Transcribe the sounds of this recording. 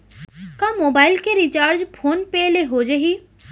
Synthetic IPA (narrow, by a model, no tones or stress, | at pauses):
kãːmoːbaːɪlkeɾit͡ʃaːɾd͡ʒpʰoːnpɛːleɦoːd͡ʒɐɦiː